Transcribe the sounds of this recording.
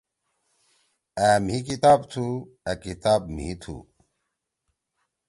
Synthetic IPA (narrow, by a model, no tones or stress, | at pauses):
æːm̤ikit̪aːbt̪ʰu | ɐkit̪aːb̚m̤ḭt̪ʰṵ